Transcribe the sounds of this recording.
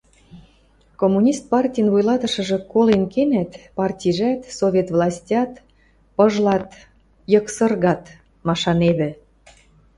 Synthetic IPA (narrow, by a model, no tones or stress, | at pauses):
komːunʲist̪̚pɑrtʲijənβujlɑt̪ə̆ʃə̆ʒɤ̆kolenkenæt̪pɑrtʲiʒæt̪sovʲet̪vlɑsʲtʲɑt̪ | pɤʒlɑt̪ | jəksərɣɑt̪ | mɑʃɑnedĕ